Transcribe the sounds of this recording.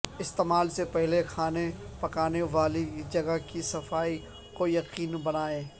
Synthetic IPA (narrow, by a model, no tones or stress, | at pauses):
ɪst̪eːmaːlsepɛɦlexʰaːnepɐkaːneʋaːlid͡ʒɐɡəkisɐfaːi | kojɐqiːnbɐnaːeː